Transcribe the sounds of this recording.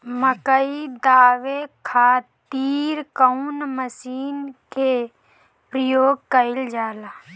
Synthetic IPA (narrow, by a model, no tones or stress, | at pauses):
məkəid̪aːʋekʰaːt̪iːɾkəunməsiːnkʰe | pɾəjoːɡ̚kəɪld͡ʒaːlaː